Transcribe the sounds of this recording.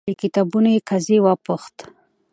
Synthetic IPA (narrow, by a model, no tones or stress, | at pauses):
ikɪt̪abunojekʰazewapuxt̪